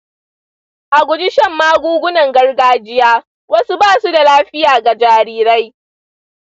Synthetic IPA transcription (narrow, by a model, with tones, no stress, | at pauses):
ʔa˨ɡʷʊ˨d͡ʒɪ˦ʃɐ˦˨mːaː˦ɡʷuː˦ɡʷʊ˦nɐ˨ŋɡɐ˦rɡaː˦d͡ʒɪ˦jaː˦ | wɐ˦su˦baː˦˨su˦da˨laː˦ɸɪ˦jaː˨ɡa˨d͡ʒaː˨ɾiː˦ɾa˦j